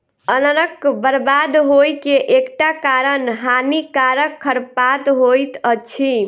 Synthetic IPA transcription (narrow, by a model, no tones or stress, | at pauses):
ənənəkbəɾbad̪ɦojkeʔekʈakaɾənɦanikaɾəkʰːəɾpat̪ɦojt̪ət͡ʃʰi